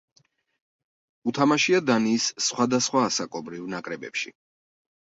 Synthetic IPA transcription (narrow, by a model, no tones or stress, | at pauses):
ut̪ʰamaʃiad̪aniːsːχwad̪asχwaːsakʼɔbɾivnakʼɾɛbɛ̰pʃḭ